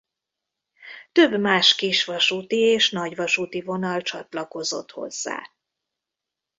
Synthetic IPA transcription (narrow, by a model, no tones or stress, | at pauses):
t̪ø̞bːmaːʃkiʃʋɒʃut̪ieːʃnɒɟvɒʃut̪ivo̞nɒlt͡ʃɒ̰t̪lɒko̞zo̞̰t̪ho̞̰zːa̰ː